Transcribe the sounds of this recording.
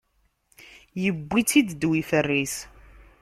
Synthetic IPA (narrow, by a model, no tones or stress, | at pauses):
jəbʷːit͡sid̪d̪wifərːis